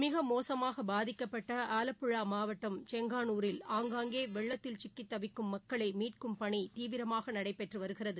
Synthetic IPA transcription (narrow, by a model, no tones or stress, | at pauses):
mɪɣɐmoːsɐmaːɣɐbaːðɪkːɐpːɐʈːɐaːlɐpːɯɭaːmaːʋɐʈːɐmt͡ʃɛŋɡaːnuːɾɪlaːŋɡaːŋɡeːʋɛɭːɐt̪ːɪlt͡ʃɪkːɪt̪ːɐʋɪkːɯmːɐkːɐɭɐɪmiːʈkɯmpɐɳit̪iːʋɪɾɐmaːɣɐnɐɽɐɪpːɛʈrɯʋɐɾɯɣɪrɐðɯ